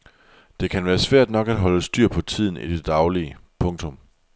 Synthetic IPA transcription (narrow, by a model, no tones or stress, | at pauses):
d̥e̝kʰænʋæːɐsʋæɐ̰d̥nɒ̽ɡ̥æd̥ɦɒ̽ləsd̥yɐ̰pʰɒ̽t͡sʰið̞̰ˠn̩id̥e̝d̥ɑ̈ʊliəpʰɔ̽ŋt͡sʰɔ̽m